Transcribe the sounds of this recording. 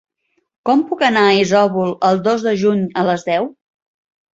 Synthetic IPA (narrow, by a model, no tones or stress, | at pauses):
kɔmpukənaizɔβulˠəlˠd̪ozðəʒuɲələzðɛw